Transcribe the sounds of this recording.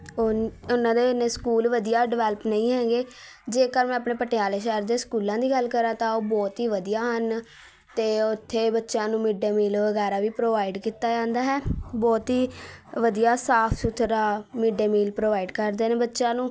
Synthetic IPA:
ʊnãːd̪eːneːskuːlʋəd̪ijaːɖɪʋɛːləpnəĩːɦɛ̃ːɡeː | d͡ʒeːkəɾmɛ̃ːəpɳeːpəʈejaːleːʃəɾd̪eːskuːlãːd̪iːɡəlkəɾãːt̪ãːoːbɔːt̪ɦiːʋəd̪ijaːɦən | t̪eːʊt̪ʰːeːbətːʃãːnũːmiːɖeːmiːlʋəɡɛːɾaːʋiːpɾoːʋaːiɖkiːt̪aːd͡ʒãːnd̪aːɦɛːbɔːt̪ɦiːʋəd̪ijaːsaːpʰsut̪ʰɾaːmiɖeːmiːlpɾoːʋaːiɖkəɾd̪eːnẽːbətːʃãːnũː

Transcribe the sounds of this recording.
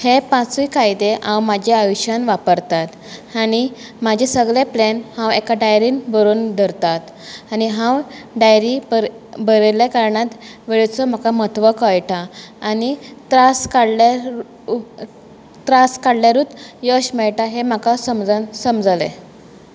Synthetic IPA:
hepãt͡sikajd̪eʔãwmad͡ʑʱeajɕanʋapəɾt̪at̪ | ani | mad͡ʑesəɡɭeplenhãwekaɖajɾiːnbəɾuːnd̪ʱəɾt̪at̪ | aniɦãwɖajɾib | bəɾeljakaɾɳat̪ʋeɭet͡sɔm̤akamət̪ʰʋəkəjʈʰaːnit̪ɾaskaɽla | t̪ɾaskaɽljaɾut̪jəɕmɛɭʈaɦem̤akasəmd͡zsəmd͡zlḛ

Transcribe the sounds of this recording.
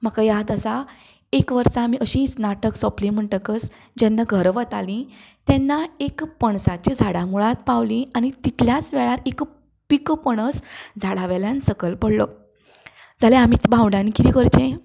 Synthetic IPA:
məkajad̪əsa | ekʋəɾsamiːʔəɕĩt͡snaʈəksɔplĩm̤əɳʈəkəs | d͡ʑɛnːaɡʱəɾʋət̪alĩt̪ɛnːaekpəɳsat͡ɕid͡zʱaɽamuɭat̪pawlĩaɽ̃it̪it̪ljat͡sʋɛɭaɾek | pikpəɽ̃əsd͡zʱaɽaʋɛljansəkəlpəɽlo | d͡zʱalẽam̤iːt͡sbʱãwɳɖãnikit̪ikəɾt͡ɕẽ

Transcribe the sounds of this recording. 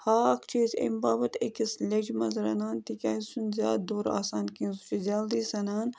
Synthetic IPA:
haːkt͡ʃʰiːzḛmbaːbɐt̪ʰekislʲed͡ʒmɐzɾɐnaːnt̪ikʲaːisunzʲjaːd̪̚d̪oːɾa̰ːsaːnkĩnsut͡ʃizʲaːld̪iːsɐnaːn

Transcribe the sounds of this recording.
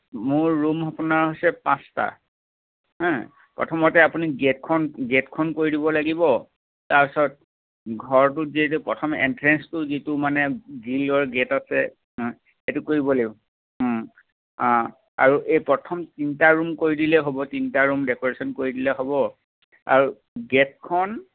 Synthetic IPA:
mʊɹːumɔpunaɹɦojsɛpãsta̰ | ɦɛ̃ | pɹɔ̰tʰɔmɔtɛapuniɡet̚kʰɔnɡetkʰɔnkoɹidibɔlaɡibɔ | taɹpɛsɔt̚ | ɡʱɔɹtuzietupɹɔtʰɔmɛ̰ntɹɛnstʊzitumanɛɡilɔɹɡetasɛ̰ | ɦɛ̃ | etukoɹibɔle | ɦ | ã | a̰ɹuʔejpɹɔtʰɔmtintaɹumkoɹidilɛɦobɔtintaɹumdɛkɔɹesɔnkoɹidilɛɦobɔ | a̰ɹu | ɡet̚kʰɔn

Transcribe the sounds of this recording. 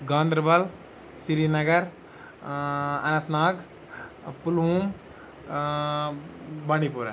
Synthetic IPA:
ɡãːnd̪ɾbɐl | siɾinɐɡɐɾ | ɐ̰nɐt̪naːɡ | pulum | bɐɽ̃ipuɾɐ

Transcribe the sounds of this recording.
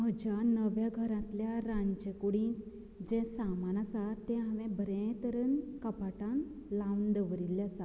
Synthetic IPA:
m̤əd͡ʑanəʋjaɡʱəɾãt̪ljaɾãɲd͡ʑəkuɽĩk | d͡ʑẽsamanasat̪ːẽɦaʋẽbʱəɾẽt̪əɾənkəpaʈãnlãʋnd̪əʋəɾilːasa

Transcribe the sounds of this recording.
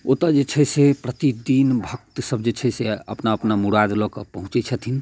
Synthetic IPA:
ot̪əd͡ʒet͡ʃʰɛsepɾət̪id̪inbʱək̚t̪səbd͡ʒet͡ʃʰɛseə̰pnaəpnamuɽad̪lɔkəpəɦũt͡ʃɛt͡ʃʰət̪ʰin

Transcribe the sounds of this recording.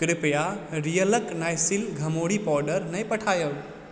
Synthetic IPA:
kɾɪpjaɾijələknajsilɡʱɐmoɽipɔɾɖəɾnɐjpəʈʰaːjəl

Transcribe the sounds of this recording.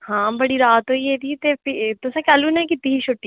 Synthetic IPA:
hãːbəɽiɾaːt̪ɦoːiːed̪iːt̪epɪt̪ʊsẽːkɛːluːnɛ̃kɪt̪ːiɦiːt͡ʃʰoʈːiː

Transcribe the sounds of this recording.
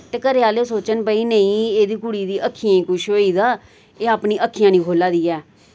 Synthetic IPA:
t̪eːkəɾɪaːleːsoːt͡ʃənbəiːnəĩːeːd̪iːkʊɽiːd̪iːʔəkʰːijãːĩːkʊʃɦoːiːd̪aː | eːaːpnĩːʔəkʰːijãːnĩːkʰoːlaːd̪iːɛː

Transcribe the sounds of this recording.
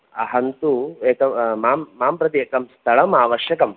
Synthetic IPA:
ɐ̰ɦɐnt̪ueːkɐmaːmːaːmpɾɐt̪̬ieːkɐmst̪ʰɐɭɐmaːʋɐʃjɐkɐm

